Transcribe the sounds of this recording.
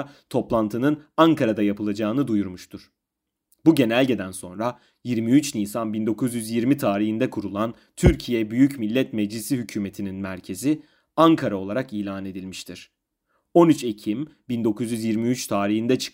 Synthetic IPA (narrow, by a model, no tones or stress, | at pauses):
t̪ʰo̞plˠant̪ʰɯnɯnaŋkʰaɾad̪ajapʰɯlˠad͡ʒaːɯnɯd̪ujuɾmuʃt̪ʰuɾ̥ | buɟe̞nælʲɟed̪ænso̞nɾa | jiɾmiyt͡ʃniːsanbind̪o̞kʰuzjyzjiɾmit̪ʰaːɾiɦind̪ɛkʰuɾulˠan | t̪ʰyɾcʰijɛbyjycmilʲːɛt̪mɛd͡ʒlʲisiɦycʰyːme̞t̪ʰininmæɾcʰe̞zi | aŋkʰaɾao̞lˠaɾakiːlʲaːne̞d̪ilʲmiʃt̪ʰiɾ̥ | o̞nyt͡ʃe̞cʰimbind̪o̞kuzjyzjiɾmiyt͡ʃt̪ʰaːɾiɦind̪ɛt͡ʃʰɯ̥k